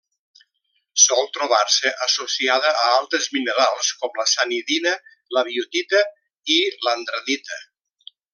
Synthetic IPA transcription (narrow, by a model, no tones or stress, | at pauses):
sɔlˠt̪ɾuβ̞aɾsəʔəsosiaðəʔəalˠt̪ɾəzminəɾalˠskɔmləsaniðinə | ləβ̞iut̪it̪ə | ilənd̪ɾəðit̪ə